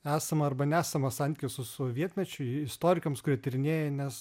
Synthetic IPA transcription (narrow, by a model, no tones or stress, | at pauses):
æːsɐmɐɐrbɐnʲæːsɐmɐsɑnʲt̪ʲɪkʲɪsʊsʊʋʲiɛt̪ʲmʲɛt͡ʃʲʊɪst̪oːɾʲɪkɐmskʊɾʲiɛt̪ʲɪɾʲɪnʲeːjɛnʲɛs